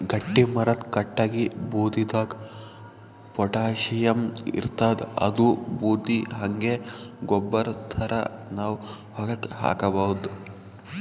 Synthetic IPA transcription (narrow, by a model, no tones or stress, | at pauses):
ɡɐʈːimɐɾɐt̪kɐʈːaːɡibuːd̪id̪aːk | pɔʈaːʃijɐmḭɾt̪aːd̪ɐ̰d̪ubuːd̪iɦɐŋɡeɡɔbːɐɾt̪ʰɐɾʔɐ̰naːʋ | hɐɡɐt̪ha̰ːkɐbaːud̪